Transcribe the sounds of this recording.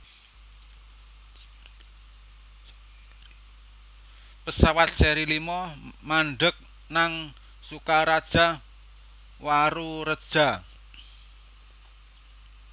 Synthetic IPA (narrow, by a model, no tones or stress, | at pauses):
pəsawat̪̚sɛɾilimɔmaɳɖək̚ | naŋ | sukaɾad̥ʒ̥a̤ | waɾuɾəd̥ʒ̥a̤